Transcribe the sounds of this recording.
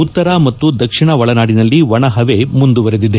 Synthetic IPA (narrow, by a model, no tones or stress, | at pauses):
ut̪ːɐɾaːmɐt̪ːud̪ɐkʂiɳɐʋɐɭɐnaːɽinɐlːiʋɐɳɐɦɐʋe̞mund̪uʋɐɾed̪id̪e